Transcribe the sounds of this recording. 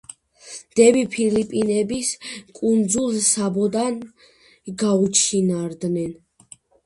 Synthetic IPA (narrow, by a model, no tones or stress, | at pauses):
d̪̥ɛbipʰilipʼinɛbiskʼund̪zulˠsabɔd̪an | ɡaut͡ʃʰinaɾd̪nɛn